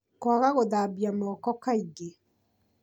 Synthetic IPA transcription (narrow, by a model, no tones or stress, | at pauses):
kwaɣaɣoðaːbiamɔːkɔkaiɡe